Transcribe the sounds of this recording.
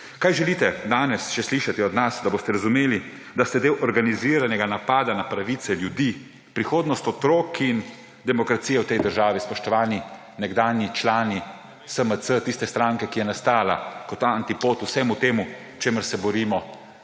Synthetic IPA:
kajʒɛliːt̪ɛd̪aːnɛsʃɛsliʃat̪iɔd̪nasd̪aboːst̪ɛɾazumeːli | d̪ast̪ɛd̪eːwʔɔɾɡaniziɾanɛɡanapaːd̪anapɾaʋit̪sɛljud̪i | pɾixoːd̪nɔst̪ɔt̪ɾoːkin | d̪ɛmɔkɾat̪sijɛwt̪ɛjd̪əɾʒaːʋispɔʃt̪ɔʋaːni | nɛɡd̪aːnjit͡ʃlaːni | səməsət̪ist̪ɛst̪ɾaŋkɛkijɛnast̪aːla̰kɔt̪ːaant̪ipoːt̪usɛmut̪eːmu | t͡ʃeːməɾsɛbɔɾiːmɔ

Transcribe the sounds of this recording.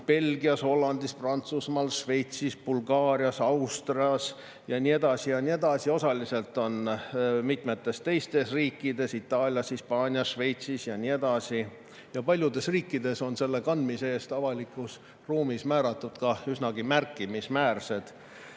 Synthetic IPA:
pe̞lɡ̥iɑsho̞lːɑnd̪isprɑnt̪susmɑːlʃve̞jt̪sisb̥ulɡɑːɾiɑsɑwst̪riɑs | jɑnʲie̞d̪̥ɑsijɑnʲie̞d̪̥ɑsio̞sɑlise̞lt̪ːˑo̞nmit̪me̞t̪ːˑe̞st̪e̞jst̪e̞sriːkːˑid̪e̞sit̪ːˑɑːlʲjɑshispɑːnʲiɑsʃve̞jt̪sisjɑnʲie̞d̪̥ɑsi | jɑpɑlʲjud̪e̞sriːkːˑid̪̥e̞so̞nse̞lːe̞kɑnd̪̥miseːst̪ɑvɑlikːˑus | ruːmismæːɾɑt̪ːˑud̪̥kɑysnɑɡimærkːˑimismæːrse̞d̪̥

